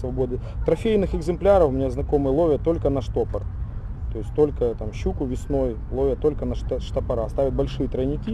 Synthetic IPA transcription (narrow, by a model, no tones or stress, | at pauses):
svɐbod̪ɨt̪ɾɐfʲejnɨxɨɡzɨmplʲaɾəfʊmʲɪnʲeznɐko̞mɨjlˠovʲjət̪o̞lʲkənɐʂt̪o̞pɐr | t̪o̞jɪsʲtʲt̪o̞lʲkət̪amɕːukʊvʲɪsno̞jlˠo̞vʲjət̪o̞lʲkənɐʂʂt̪ɐpɐɾast̪avʲɪt̪̚bɐlʲʂɨjət̪ɾənʲɪkʲi